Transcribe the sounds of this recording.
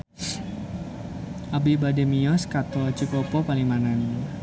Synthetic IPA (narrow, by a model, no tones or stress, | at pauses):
ʔabibademiɔskat̪oat͡ʃukɔpɔpaliŋmanani